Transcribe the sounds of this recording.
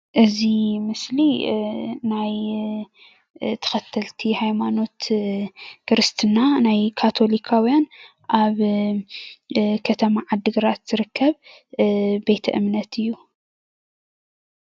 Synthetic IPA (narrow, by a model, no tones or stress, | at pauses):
ʔɨzimɨsli | naj | t̪ʰɐ̥xɐt̪ʰːɐlt̪ʰihajmano̞t̪ | kɾɨst̪ʰɨnanajkʰat̪ʰo̞likʰawjan | ʔaβ | kʰɐt̪ʰɐmaʕad̪ːɨɡɨɾat̪z̥ɨɾɨkʰːɐβ | be̞jt̪ʰɐ̰ʔɨmnɐt̪ʰɨjːu